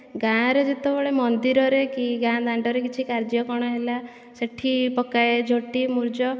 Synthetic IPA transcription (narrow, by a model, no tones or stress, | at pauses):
ɡãɾed͡ʒet̪ɔbɔɭemɔnd̪iɾɔɾekiɡãd̪aɳɖɔɾekit͡ʃʰikaɾd͡ʒjɔkɔɽ̃ɔɦela | seʈʰipɔkajed͡ʒʱoʈimuɾd͡ʒɔ